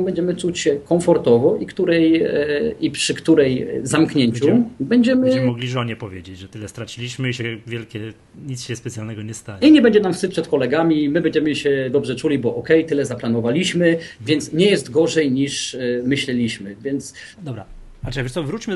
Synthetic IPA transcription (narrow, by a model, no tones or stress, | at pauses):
mbɛɲd͡ʑɛmɘt͡ʂut͡ɕɕɛkɔ̃ɱfɔɾt̪ɔvɔʔikt̪uɾɛj | ipʂɘkt̪uɾɛjzamkɲeɲt͡ɕubɛɲd͡ʑɛmɘmɔɡlʲiʐɔɲɛpɔvʲjed͡ʑed͡ʑʐɛt̪ɘlɛst̪ɾat͡ɕilʲiɕmɘiɕɛvʲjɛlkʲɛ | ɲit̪sɕɛspɛt̪sʲjalnɛɡɔɲɛst̪aɲɛiɲɛbɛɲd͡ʑɛnamfsɘpʂɛt̪kɔlɛɡamʲimɘbɛɲd͡ʑɛmɘɕɛd̪ɔbʐɛt͡ʂulʲibɔʔɔkɛjt̪ɘlɛzaplanɔvalʲiɕmɘvʲjɛnt̪sɲɛjɛst̪ɡɔʐɛjɲiʂmɘɕlɛlʲiɕmɘvʲjɛnt̪s | d̪ɔbɾa̰ | at͡ʂɛvʲɛʂt̪ɔvɾut͡ɕmɘ